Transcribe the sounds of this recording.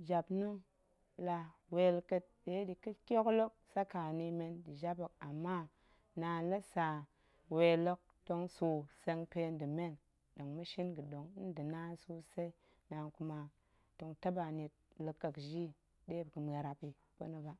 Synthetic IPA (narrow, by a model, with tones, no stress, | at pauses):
d͡ʒa˨bnu˦ŋ | la˨we˨lkə˦t̚de˦di˨kə˦kʲo˦klo˦k̚sa˦ka˨ni˨me˦ndi˨d͡ʒa˦bə˨k̚a˨mːa˦ | na˨lə˦sa˨ | we˨lo˦k̚ | to˦ŋso˨se˦ŋpe˦n˦di˨me˦n | do˨ŋmu˦ʃi˦nɡə˨do˨ŋ̩˦də˨na˦su˦se˦i˦ | na˨ku˨ma˨ | to˨ŋta˦ba˨ni˨t̚lə˨kːə˨kʒi˦ | de˦bkə˨me˨ɾa˨pi˨ | po̰˦nə˦ba˨